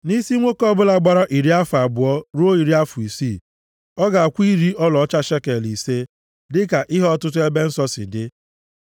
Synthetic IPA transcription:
ni˦si˦ŋʷo˦kɔ˦bʊ˦la˨ɡ͡ba˦ɾa˦ʔi˨ɾi˦a˦fʊ˨a˨bʊ˨ɔ˦ɾu˦o˦i˨ɾi˦a˦fʊ˨i˨si˦˨ | ɔ˦ɡa˨a˨kʷi˦ɾi˦ɔ˦lɔ˨˦t͡ʃa˦ʃe˦ke˨li˨se˦ | dɪ˦ka˨ʔɪ˦ɦɔ˦tʊ˦tʊ˦e˦be˦n̩˦sɔ˦sɪ̰˨dɪ˦

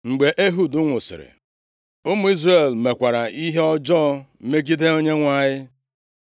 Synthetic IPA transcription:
ŋ͡m̩˨ɡ͡be˨ʔe˦ɦu˨dʊ˦ŋʷʊ˨sɪ̰˨ɾɪ̰˨ | ʊ˦mu˦i˦zre˨lme˨kʷa˨ɾa˨i˦ɦe˦ɔ˦d͡ʒɔː˦m̩˦me˦ɡi˦de˦o˦ɲe˦ŋʷa˦˨ɲɪ˦

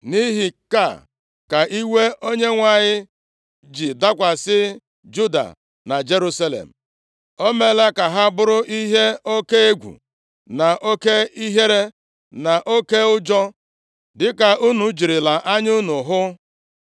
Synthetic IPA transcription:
ni˦ɦi˨ka̰˦˨ | ka˨ʔi˦we˦ʔo˦ɲe˦ŋʷa˨ɲɪ˦ | d͡ʒi˨da˦kʷa˨sɪ˦ | d͡ʒu˦da̰˨ | na˨d͡ʒe˦ɾu˦sa˦lḛ˨m̩˨ | o˦me˦la˦ka˨ɦa˦bʊ˦ɾʊ˦ʔi˦ɦe˦o˦ke˦e˦ɡʷṵ˨ | na˨ʔo˦ke˦i˦ɦe˦ɾe˦ | na˨ʔo˦ke˦ʊ˦d͡ʒɔ˦ | dɪ˦ka˨u˦nu˨d͡ʒi˨ɾɪ˨la˨ʔa˦ɲʊ˦nʊ˨ɦʊ˦

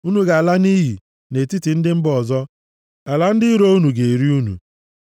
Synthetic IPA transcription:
u˦nu˦ɡa˨a˨la˦ni˦ɦḭ˨ | ne˨ti˦ti˨n̩˦dɪ˦m̩˦bɔ˨zɔ˦ | a˨la˦n̩˦dɪ˦ɾo˦u˦nu˨ɡe˨ɾi˦u˦nṵ˨

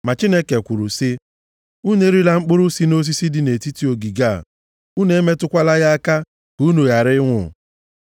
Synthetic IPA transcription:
ma˨t͡ʃi˦ne˦ke˨kʷʊ˨ɾʊ˨sɪ˦ | u˦ne˦ɾi˦la˨ŋ͡m̩˦k͡pʊ˦ɾʊ˦si˦no˦s̬i˦si˦dɪ˦ne˨ti˦ti˦o˨ɡi˨ɡa̰˦˨ | u˦ne˦e˦me˦tʊ˦kʷa˦la˦ɣa˦a˦ka˦ | b̥u˨˦no˨ja˨ɾɪ˦ŋʷʊ˦˨

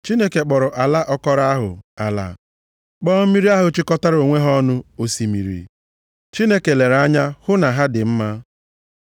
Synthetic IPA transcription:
t͡ʃi˦ne˦ke˨k͡pɔ˨ɾʊ˨ʔa˨la˦ʔɔ˦kɔ˦ɾa˦a˦ɦʊ̰˨a̰˨la̰˨ | k͡pɔː˦m̩˦mi˦ɾi˦a˦ɦʊ˨t͡ʃɪ˦kɔ˦ta˦ɾo˨ŋʷe˦ɦɔ˦nʊ˦o˦˨si˨mḭ˨ɾḭ˨ | t͡ʃi˦ne˦ke˨le˨ɾa˦ɲa˦hʊ˦na˨ɦa˦dɪ˨m̩˦ma˦

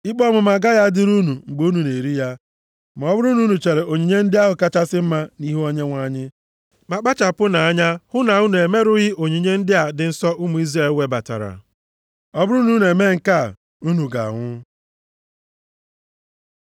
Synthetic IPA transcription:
ɪ˦k͡pɔ˦mʊ˨ma˨ɡa˦ja˦dɪ˦ɾu˦nu˨ŋ͡m̩˨ɡ͡bo˦u˦nu˨ne˨ɾi˦ja˦ | m˨ɔ˦bʊ˦ɾu˦nu˦nu˨t͡ʃe˨ɾe˨ʔo˨ɲi˨ɲe˦n̩˦dɪ˦a˦ɦʊ˨ka˦t͡ʃa˦sɪ˦m̩˦ma˦ni˦ɦu˦o˦ɲe˦ŋʷa˦˨ɲɪ˦ | ma˨k͡pa˦t͡ʃa˨pʊ˦na˨a˦ɲa˦hʊ˦na˨ʊ˦nu˨e˨me˦ɾʊ˦ɣɪ˦o˨ɲi˨ɲe˦n̩˦dɪ˦a˨dɪ˨n̩˦sɔ˦ʔʊ˦mu˨˦i˦zɾe˦˨lwe˦ba˨ta̰˨ɾa̰˨ | ɔ˦bʊ˦ɾu˦nu˦n˨e˨me˦ŋ̩˨ka˦˨ | u˦nu˨ɡa̰˨ŋʷʊ˦

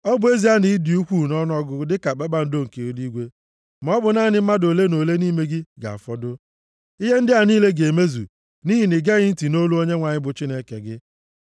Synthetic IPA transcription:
ɔ˦bʊ˨˦e˦zi˦a˦ni˨˦di˨u˦kʷu˦˨nɔ˦n˦ɔ˦ɡʊ˦dɪ˦ka˨k͡pe˦ɓa˦n̩˦do˦ŋ̩˨ke˨o˨˦li˦ɡʷe˦ | ma˨ɔ˦bʊ˨na˦˨nɪ˦m̩˦ma˦do˨le˦no˨le˦niː˦me˦ɡɪ˦ɡa̰˨a̰˨fɔ˦dʊ˦ | i˦ɦe˦n̩˦dɪ˦a˨niː˦le˦ɡe˨me˦zṵ˨ | ni˦ɦi˨nɪ˨ɡe˦ɣɪ˦n̩˦ti˨no˦lu˦o˦ɲe˦ŋʷa˨ɲɪ˦bʊ˨t͡ʃi˦ne˦kḛ˨ɡɪ˦

